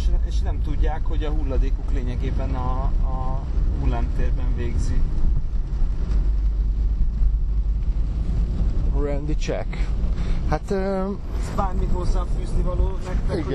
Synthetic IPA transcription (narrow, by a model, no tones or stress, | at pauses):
ʃeːʃnɛmt̪uɟːaːkho̞ɟɒɦulːɒd̪eːkokleːɲɛɡeːbɛnɒː | bulːamt̪eːrbɛɱveːɡzi | rɛnd̪it͡ʃɛ̰k | hat̪ø | baːrmit̪oszɒfyːznivɒloːnɛkt̪ɛi